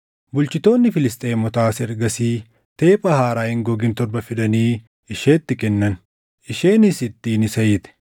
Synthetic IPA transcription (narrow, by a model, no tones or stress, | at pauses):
bʊlt͡ʃɪt̪o̞ːnːɪfɪlɪst̪ʼeːmɔt̪aːsɛɾɡɐsiː | t̪e̞ːpʼɐhaːɾaːhɪŋɡɔɡɪnt̪ɔɾbɐfɪd̪ɐniː | ɪʃe̞ːt̪ːɪkɛnːɐn | ɪʃe̞ːnɪsɪt̪ːiːnɪsɐjɪt̪ɛ̥